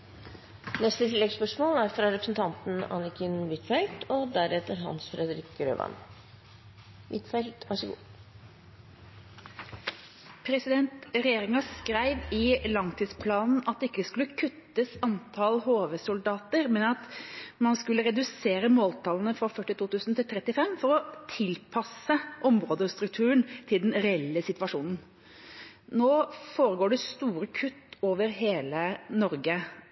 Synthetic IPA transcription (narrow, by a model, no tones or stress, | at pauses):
nɛst̪ət̪ʰɪlːɛɡspœʂmoːlæɾfɾɑɾɛpɾəsn̩t̪ʰɑnt̪n̩ɑ̰nɪkənʋɪt̪fɛlt̪ɔd̪æɾɛt̪əɾɦɑ̰nsfɾɛd̪əɾɪkɾø̰ːʋɑ̰n | ʋɪt̪fɛlt̪ʋɑʂəɡṵː | pʰɾɛsɪd̪ɛnt̪ɾɛjeːɾɪŋɑskɾæɪʋɪlɑŋt̪ʰiːd̪spʰlɑːnn̩ɑt̪̚d̪ɛɪkːəskʉlːəkʰʉt̪ːəsɑnt̪ʰɑlɦoːʋəsʊld̪ɑːt̪əɾmɛnɑt̪mɑnskʉlːəɾɛd̪ʉseːɾəmoːlt̪ʰɑlnəfɾɑfœʈːɪt̪uːt̪ʉːsn̩t̪ɪlt̪ʰɾɛt̪ːɪfɛmːfɔɾɔt̪ʰɪlpʰɑsəʔɔmɾoːd̪əst̪ɾʉk̚t̪ʰʉːənt̪ʰɪld̪ɛnɾɛɛlːəsɪt̪ʋɑʂuːnn̩ | noːfoːɾəɡoːɖɛst̪uːɾəkʰʉt̪ːoːʋəɾɦeːlənɔɾɡə